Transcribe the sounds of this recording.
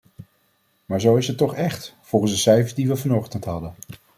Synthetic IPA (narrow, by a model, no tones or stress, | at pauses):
maːɹzowɪsɦətːɔχɛχtfɔlˠχənszdəsɛjvədiʋəvɑnɔχtəntɦɑdən